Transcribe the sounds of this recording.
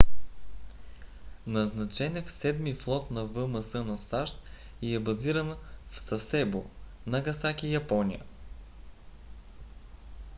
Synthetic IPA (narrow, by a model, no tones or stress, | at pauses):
nɐznɐt͡ʃɛnɛfsɛd̪miflˠɔt̪nɐvɤmɐsɤnɐsaʃt̪ | iɛbɐziɾənfsɐsɛbo̰ | nɐɡɐsakijɐpɔnʲijə̰